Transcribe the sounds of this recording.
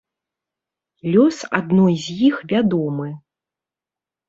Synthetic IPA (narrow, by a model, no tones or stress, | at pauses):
lʲɔsa̰d̪̚nɔjzʲjixvʲad̪ɔmɨ